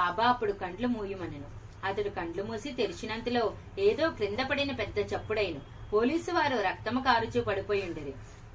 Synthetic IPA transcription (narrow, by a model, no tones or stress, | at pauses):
aːbaːɐpːuɽukɐɳɖlumuːjumɐnɐnu | ɐt̪ɐɽukɐɳɖlumuːsit̪e̞liʃinɐnt̪ilo̞ː | eːd̪o̞ːkɾind̪ɐpɐɽinɐpɛd̪ːɐt͡ʃɐpːuɽɐjinu | po̞ːliːsuʋaːɾuɾɐk̚t̪ɐmɐkaːɾut͡ʃuːpɐɽipoːjuɳɖɐɾi